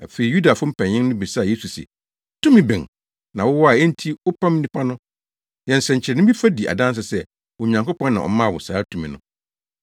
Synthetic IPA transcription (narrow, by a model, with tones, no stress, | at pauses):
a˨fe˨ɾi˨ju˦da˨fʊ˦m̩˦pʰɛ̃˨ɲː˨ɪ̃˦ŋnʊ̃˦bi˨sa˦˨je˦su˨sɛ̰˨ | tʰũ˦mĩ˨bɪ̃˨ŋ | nã˨wʊ˦wɔ˦a˨ɛ˦n̩˦tʰi˦ʊ˦pʰã˦mĩ˦nĩ˦pʰa˦nʊ̃˦ | jɛ̃˨nsɛ̃˨ɲ̩˨t͡ɕʰɪ˨ɾɛ˨nʊ̃˦bi˦fa˦di˨ʔa̰˨dã˦n˦s̬a˨sɛ˦˨ | wɔ˨ɲã˨ŋko˦pɔ̃˦nːã˨ʔɔ̰˨mã˦˨wʊ̰˨saː˨˦tʰũ˦˨mĩ˨nʊ̃˦˨